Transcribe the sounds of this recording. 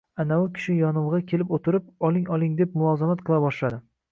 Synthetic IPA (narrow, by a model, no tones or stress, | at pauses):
anaʊkʲʰɪ̥ʃɪjɒnʊwʁɑkʲʰe̞lɪpot̪ʰɪɾɪp̚ɒlˠɪŋɒlˠɪŋd̪e̞p̚mʊlˠɒzamat̪̚qʰɨlˠabɒʃlad̪ɪ